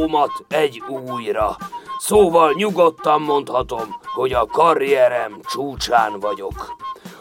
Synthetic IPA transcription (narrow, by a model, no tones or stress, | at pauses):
mɒt̪ɛɟuːjrɒsoːvɒlɲuɡo̞t̪ːɒmːo̞nt̪hɒt̪o̞mho̞ɟɒkɒɾijɛɾɛmt͡ʃuːt͡ʃaːnvɒɟo̞k